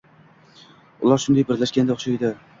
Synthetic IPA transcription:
ʊ̰lˠaɾʃʊnd̪ajbɪɾlaʃkʲand̪aχʃajd̪ɪ

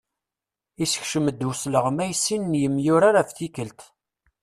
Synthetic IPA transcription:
isə̥çʃəməd̪ːusləʁmæjsːinənjəmjʊɾaɾafθikəlt̪

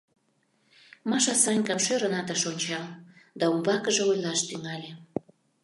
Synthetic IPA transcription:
mɑʃɑsɑnʲkɑmʃøɾənɑt̪əʃonʲt͡ɕɑld̪ɑumbɑkəʒeojlɑʃt̪yŋɑlʲe

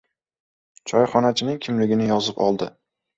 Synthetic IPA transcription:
t͡ʃʰɒjχɒnat͡ʃʰɪnɪkʲʰɪmlɪɡʲɪnɪjɒzɪpɒ̰lˠd̪ɪ

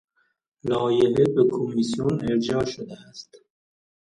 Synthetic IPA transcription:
lɒːjeɦebekʰomisijoneɾd͡ʒɒːʃod̪eæst̪

